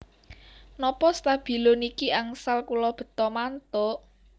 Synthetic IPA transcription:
nɔpɔst̪ab̥i̤lonikiaŋsalkulɔb̥ə̤t̪ɔmant̪ɔʔ

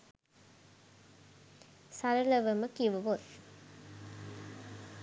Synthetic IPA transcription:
saɾələʋəməkiʋəʋot̪

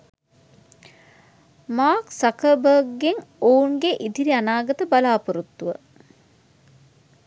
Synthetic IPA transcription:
maːksakəbəːɡːeŋouŋɡeʔid̪iɾianaːɡɐt̪əbalaːpuɾut̪ːuʋə

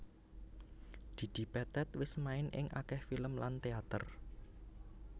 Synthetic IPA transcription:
d̪̥i̤d̪̥i̤pɛt̪ɛt̪wɪsmaɪnʔɪ̰ŋʔa̰kɛhfiləmlant̪eat̪ər

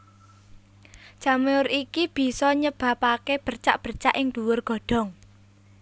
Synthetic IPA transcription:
ʒ̥a̤meʊrikib̥i̤sɔɲəb̥ä̤pakeb̥ərt͡ʃa̰ʔb̥ərt͡ʃaʔɪŋd̪̥uwʊrɡ̥ɔ̤ɖ̥ɔ̤ŋ

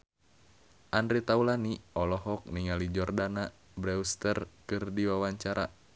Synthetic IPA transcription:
ʔandɾit̪aulaniɔlɔɦɔk̚niŋalid͡ʒɔrdana | bɾɛust̪ərkɨrdiwawaɲt͡ʃaɾa

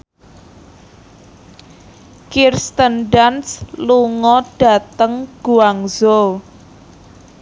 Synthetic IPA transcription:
kirst̪ənɖansluŋɔɖ̥a̤t̪əŋɡ̥uaŋzo

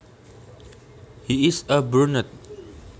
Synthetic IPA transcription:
hiɪsəbunət̪̚

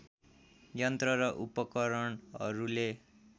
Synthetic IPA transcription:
jʌnt̪rʌɾʌʔupʌkʌɾʌɳʌ̰ɾule

